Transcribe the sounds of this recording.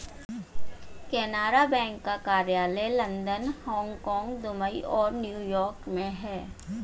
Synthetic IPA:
kɛːnaːɾabɛ̃ːŋkːakaːɾjaːlɛlɐ̃nd̪ənhɔ̃ːŋɡkɔ̃ːŋɡd̪ʊməiʔɔːɾnjuːjɔːɾkmẽɦɛː

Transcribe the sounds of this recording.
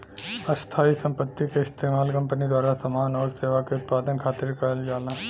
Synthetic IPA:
ɐst̪ʰaːisɐ̃mpət̪ːikeɪst̪ʰeːmaːlkɐ̃mpənid̪waːɾasɐmaːnɔːɾseːʋakeʊt̪̚paːd̪ənkʰaːt̪ːɪɾkɐəld͡ʒaːlaː

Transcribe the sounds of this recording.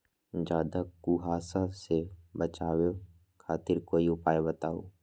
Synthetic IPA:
d͡ʒaːd̪akuːɦaːsasebət͡ʃaːwe | kʰaːt̪ɪɾkoːiʊpaːebət̪aːo̰ː

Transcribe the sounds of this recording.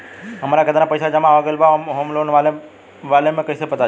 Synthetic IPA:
ɦɐmaːɾakət̪anapəjsad͡ʒɐmãʋaɡəlbaɦoːmloːnʋal | ʋaːlemẽkɐisepɐt̪a

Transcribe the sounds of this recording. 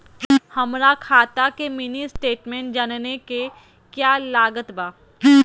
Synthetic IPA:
hɐmɾakʰaːt̪akemɪnisʈeːʈmẽːɳʈ̚d͡ʒanneke | kjaːlaːɡət̪baː

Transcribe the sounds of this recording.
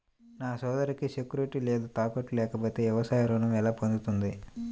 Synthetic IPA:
naːsɔːd̪ɐɾikiʃekuɾeʈːile̞ːd̪ut̪aːpɐʈːulɛːkɐpoːt̪e̞ːɛʋɐsaːjɐɾoːnɐmɛlaːpond̪ut̪und̪i

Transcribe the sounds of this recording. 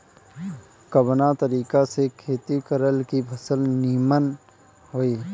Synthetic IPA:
kəbnat̪əɾiːkasekʰeːt̪ikəɾəlkipʰɐsəlniːmən | ɦoːiː

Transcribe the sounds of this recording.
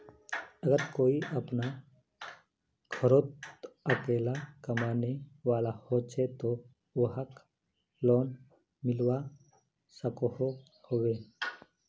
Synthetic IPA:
əɡəɾkoːiʔəpna | kʰəɾoːt̪əkeːlakəmaːneʋaːlahoːt͡ʃʰet̪o | ʋəɦək | lɔːn | mɪlwa | səkoho | hoːweː

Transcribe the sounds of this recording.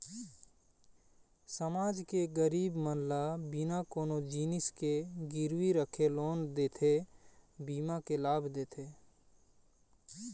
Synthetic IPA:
səmaːd͡ʒkeɡəɾiːbmənlabɪnakoːnod͡ʒiːnɪskeɡɪɾwiɾəkʰeloːnd̪eːt̪ʰe | biːmakelaːbʱd̪eːt̪ʰeː

